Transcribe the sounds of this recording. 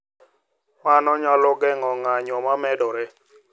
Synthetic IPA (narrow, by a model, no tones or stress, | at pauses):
manɔɲalɔɡɛŋɔŋaɲɔmamɛdɔɾɛ